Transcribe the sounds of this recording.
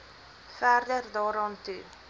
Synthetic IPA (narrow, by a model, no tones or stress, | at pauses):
fæːrdərdɑːɾɑːntṵ